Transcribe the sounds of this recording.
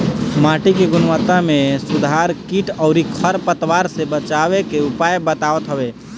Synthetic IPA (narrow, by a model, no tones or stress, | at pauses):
maʈikeɡunʋət̪amesud̪ʱaɾkiʈəʊɾikʰəɾpət̪ʋaɾsẽbət͡ʃabekeupajbət̪aʋət̪ɦəbe